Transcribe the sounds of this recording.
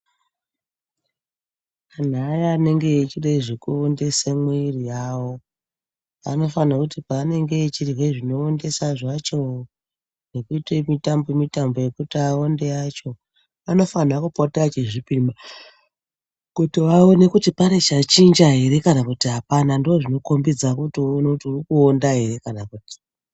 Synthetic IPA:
kan̤aːjaːne̞ŋɡe̞ːt͡ʃiɗaiʐekuonde̞semweirijaːwo̞ | a̰no̞fanakutipaːne̞ŋɡe̞ːt͡ʃiriɦeʐino̞ːnde̞saʐat͡ʃo̞ | nekuitemitambomitambo̞je̞kutiaonde̞at͡ʃo̞ | ano̞fanakupotat͡ʃeʐipima | kotoʋaone̞kutipanet͡ʃat͡ʃind͡ʒaɦe̞ɾe̞kanakutiɦapanandoʐino̞kombid͡zakutinouturikuondaɦe̞ɾe̞kanakuːti̥

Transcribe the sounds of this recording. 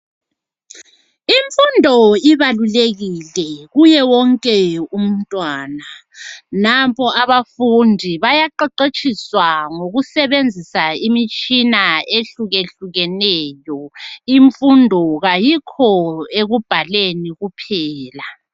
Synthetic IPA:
iɱfundʱɔiβaluleɣilɛɣujɛwɔŋkʼɛum̩tʼwaːna | napʰɔʔaβafundʱiβajaǃɛǃet͡ʃʼiswaŋoɣusɛβend͡zʱisaimit͡ʃʼinaeɬuɣeɬuɣɛnɛjɔiɱfundʱɔɣajikʰɔeɣub̥ʱaleniɣupʰɛːla

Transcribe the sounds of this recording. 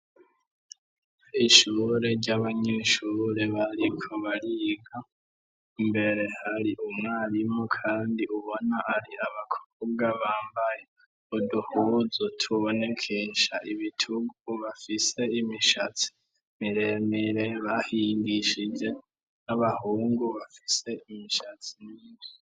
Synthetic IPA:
iʃuːɾe̞ɾɟaβaɲeʃuːɾe̞βaɾikʰoβaɾiːɡa | mbe̞ɾe̞haɾiʔumŋaːɾimŋokʰaːndiuβo̞naʔaɾiaβakʰo̥bɡaβaːmbaje | uduhuːzotʰuβo̞ne̞kʰeʃaʔiβitʰuɡuβafise̞imiʃat͡si̥ | miɾe̞meɾeβahiːŋɡiʃid͡ʒe̞ | naβahuːŋɡuβafi̥se̞imiʃat͡si̥niːβi

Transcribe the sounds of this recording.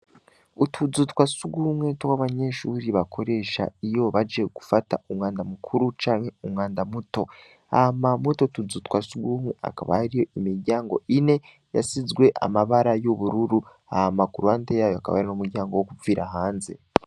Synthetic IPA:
utʰud͡zutkwasuɡumwetowaβaɲe̞ʃuːɾiβakʰo̞ɾe̞ːʃa̰ijo̞βad͡ʒe̞ɡ̥ufata̰umŋaːndamukʰuɾut͡ʃaːnheumŋaːndamuto̞ | a̰hamamwetotuzutkwasuɡumeʔa̰kaβa̰haɾijo̞imiɾɟaːŋɡo̞̰ʔine̞ | ja̰sizɡwe̞ʔa̰maβaɾajoβuɾuɾu | ahamakuɾuantejaːjoakaβa̰haɾinomuɾɟaːŋɡowokuviːɾaɦaːnze̞̰

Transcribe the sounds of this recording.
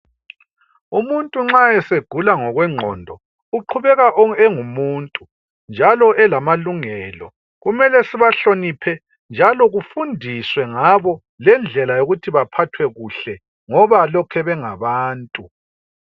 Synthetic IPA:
umuntʼuŋ͡ǁaɛseɡ̥ʱulaŋɔɣwɛŋ͡ǁʱɔ̰ndʱɔ | uǃʰuβɛɣaʔɛŋumuːntʼu | nd͡ʒʱalɔʔɛlamaluŋɛlɔ̰ | ɣumɛlɛsiβaɬonipʰɛ | nd͡ʒʱalɔɣufundʱiswɛŋaβɔ | lɛnd͡ɮʱɛlajoɣutʰiβapʰatʰwɛɣuɬɛ | ŋɔβalɔkʰɛβɛŋaβaːntʼu

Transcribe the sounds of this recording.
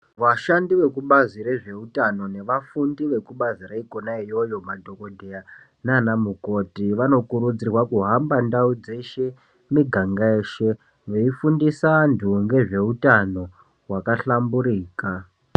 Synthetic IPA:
ʋaʃandiʋe̞kuɓaziɾeʐe̞utano̞ne̞ʋafundiʋe̞kuɓaziraikonaijo̞jo̞madʱo̞ko̞dʱea | nanamuko̞tiʋano̞kuɾud͡zirwakuɦambandaud͡ze̞ʃe̞ | miɡʱaŋɡae̞ːʃe̞ | ʋe̞ifundisantʰuŋɡe̞ʐe̞utano̞ | ɦwakaɬambuɾiːka

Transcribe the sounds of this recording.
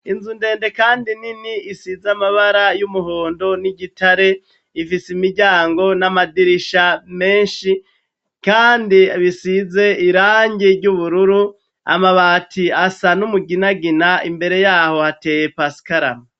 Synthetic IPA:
inzunde̞ːnde̞kaːndininiisizamaβaɾajumuho̞ːndo̞niɟitʰaɾe̞ | ifisimiɾɟaːŋɡo̞namadiɾiʃame̞ːnʃi | kaːndiβisize̞iɾaːɲɟiɾɟuβuɾuɾu | a̰maβaːtʰiasanumuɡinaɡinaimbe̞ɾe̞jaːho̞hate̞ːjepasi̥kaɾa̰m

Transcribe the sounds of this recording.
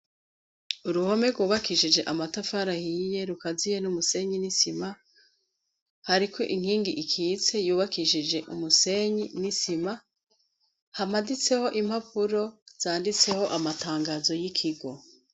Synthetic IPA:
uɾuho̞me̞ɡuːβakiʃid͡ʒe̞ʔamatafaɾahije̞ɾukazijenumuse̞ɲinisima | haɾiko̞ʔiŋ̥hiːŋɡiʔikʰit͡se̞juːβakiʃid͡ʒe̞ʔṵmuse̞ɲinisima | hamadit͡se̞ho̞ʔim̥hapuɾo̞z̥aːndit͡se̞ho̞ʔamataːŋɡazo̞jikʰiɡo̞

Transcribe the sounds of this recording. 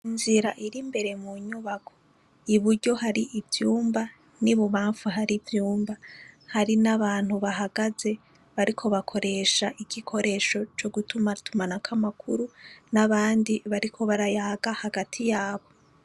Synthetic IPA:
inziɾaʔiɾimbe̞ɾe̞muɲuβakʰo̞ | iβuɾɟo̞haɾiʔivjuːmba | niβuβaːɱfuɦaɾivjuːmbahaɾinaβaːn̥huβaɦaɡ̥aze̞ | βaɾikʰo̞βakʰo̞ɾe̞ːʃaʔiɡikʰo̞ɾe̞ːʃo̞t͡ʃo̞ɡutumatʰumanakʰamakʰuɾunaβaːndiβaɾikʰo̞βaɾajaːɡahaɡatʰijaːβo̞

